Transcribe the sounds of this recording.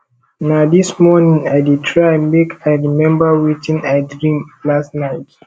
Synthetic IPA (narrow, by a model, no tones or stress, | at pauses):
naʊðismɔnĩŋaɪditʰɹamikʰajɹimɛ̃mbəwit͡ʃĩnaɪdɹĩmlastnaɪt